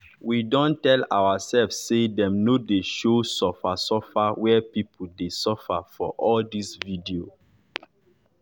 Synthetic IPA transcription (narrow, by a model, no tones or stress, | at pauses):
widɔ̃ntɛla̰wasɛlvsːedɛ̃mnodeʃosɔfasɔfawɛpipʰudesɔfafɔ̰ʔɔldisvidio